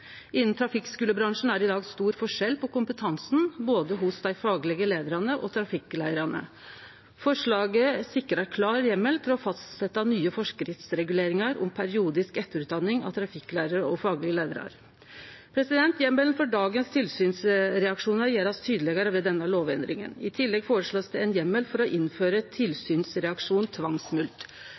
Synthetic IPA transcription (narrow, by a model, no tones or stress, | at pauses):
ʔɪnːn̩t̪ʰɾɑfɪkskʉːləbɾɑŋʂn̩æɾɪd̪ɑːɡst̪uːɾfɔʂɛlpʰɔkʊmpət̪ʰɑnsn̩boːd̪əɦʊsd̪æɪfɑːɡlɪɡəleːd̪əɾɑnəʔɔt̪ʰɾɑfɪklæɪəɾɑnə̰ | fɔʂɭɑːɡəsɪkːəɾɑɾkʰlɑːɾjɛmːəlt̪ʰɪlɔfɑst̪sɛt̪ːɑnyːəfɔʂkɾɪt̪sɾɛɡʉleːɾɪŋɑɾʊ̰mpʰæɾɪuːd̪ɪskɛt̪ːəɾʉːt̪̚d̪ɑnːɪŋɑ̰ʋt̪ʰɾɑfɪkːlæɪɾəɾəɔfɑːɡlɪɡəleːd̪əɾɑ̰ɾ | pʰɾɛsɪd̪ɛnt̪jɛmːəlnfɔɖɑːɡənst̪ʰɪlsyːnsɾɛɑkʂuːnəɾjeːɾɑst̪ʰyːd̪əlɛɡəɾəʋɛd̪ɛnːəloːʋɛnd̪ɾɪŋə̰nɪt̪ʰɪlːɛɡfoːɾəʂɭoːsd̪ɛɛnjɛmːəlfɔɾɔʔɪnføːɾət̪ʰɪlsyːnsɾɛɑkʂuːnt̪ʰʋɑŋsmʉlt̪